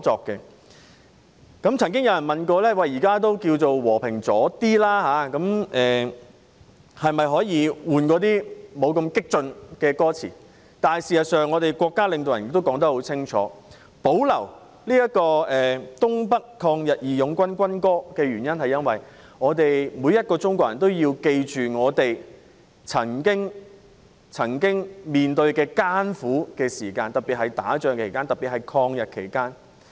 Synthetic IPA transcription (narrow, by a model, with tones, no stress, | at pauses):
t͡sɔː˨˧kkːɛː˧ | kɐ˨˥mt͡sʰɐ˨˩ŋk̬ɪ˥ŋjɐ˨˧wjɐ˨˩nmɐ˨nkɔː˧lɛː˥wɐ˨jiː˨˩kaː˥t̪o˥wkiː˧wt͡so˨wwɔː˨˩pʰɪ˨˩ŋt͡sɔː˨˥t̪iː˥laː˥haː˨˧kɐ˨˥mʔɛː˨ | hɐ˨jmɐ˨jɦɔː˨˥jiː˨˧wuː˨nkɔː˨˥t̪iː˥mo˨˧wkɐ˧mkɪ˥k̚t͡sɵ˧nkɛː˧kɔː˥t͡sʰḭː˨˩ | t̪aː˨˩jsiː˨˩sɐ˨t̚sœː˨ŋɔː˨˧t̪e˨jkʷɔː˧kːaː˥lɪ˨˧ŋt̪o˨wjɐ˨˩njɪ˨kt̪o˥wkɔː˨˥ŋt̪̬ɐ˥k̚ho˨˥wt͡sʰɪ˥ŋt͡ʃʰɔ̰ː˨˦ | po˨˥wlɐ˨˩w | liː˥jɐ˥t̚kɔː˧ɛː˨˩t̪ʊ˥ŋpɐ˥kkʰːɔː˧ŋjɐ˨t̚jiː˨jʊ˨˥ŋkʷɐ˥nkʷɐ˥nkɔː˥kɛː˧ɥyː˨˩njɐ˥nhɐ˨jɐ˥nwɐ˨˩j | ŋɔː˨˧t̪e˨jmuː˨˧jɐ˥t̚kɔː˧t͡ʃʊ˥ŋkʷɔː˧k̚jɐ˨˩nt̪o˥wjiː˧wke˧jt͡ʃyː˨ŋɔː˨˧t̪e˨j | t͡sʰɐ˨˩ŋkɪ˥ŋ | t͡sʰɐ˨˩ŋkɪ˥ŋmiː˨nt̪ɵ˧ɥkɛː˧kaː˥nfuː˨˥kɛː˧siː˨˩kaː˧nt̪ɐ˨˩piː˨t̚hɐ˨jt̪aː˨˥t͡ʃœː˨˧ŋkʰe˨˩jkaː˥nt̪ɐ˨piː˨t̚hɐ˨jkʰɔː˧ŋjɐ˨t̚kʰe˨˩jkaː˥n